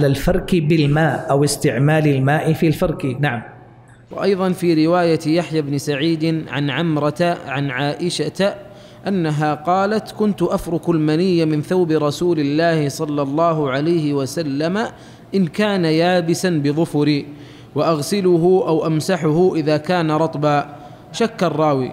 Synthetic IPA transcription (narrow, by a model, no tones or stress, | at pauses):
lalfɑɾˤkbɪlmaːʔʔawɪst̪ɪʕmaːlɪlmaːʔɪfiːalfɑɾˤkinaʕam | wa̰ʔɑjðˤɑnfiːɾɪwaːjat̪jaħjabnɪsaʕiːd̪ɪnʕa̰nʕamɾˤɑt̪aʕanʕaːʔɪʃat̪ | ʔanːaɦaːqɑːlat̪kʊnt̪ʊʔafɾˤʊkalmanijːamɪnθawbɪɾˤɑsuːlɪlːaːhɪsˤɑlːɑlˤːɑːɦʊʕalajhɪwasalːama | ʔɪnkaːnajaːbɪsanbɪðˤʊfʊɾiː | waʔaɣsɪlʊɦʊʔawʔamsaħʊhʊʔɪðaːkaːnaɾˤɑt̪ˤbaː | ʃakːɑrˤːɑːwḭː